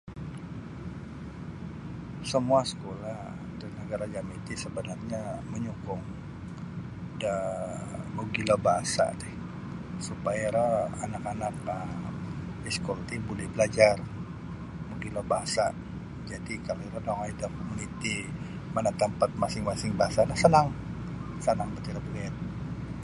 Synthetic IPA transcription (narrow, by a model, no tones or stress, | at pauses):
səmuasə̥kolah | danəɡaɾad͡ʒamit̪isəbənarɲaməɲukʊŋ | da | muɡilabaɦasa̰dɛh | supajaɾaanakanak̚ə | iskɔlt̪ibolɛhbəlad͡ʒar | muɡilɔbaɦasa | d͡ʒadikaloɾadaŋajdaŋkomunit̪i | manat̪əmpat̪̚masɪŋmasɪŋbaɦasanahsənaŋ | sənaŋbət̪iɾabəliat̪̚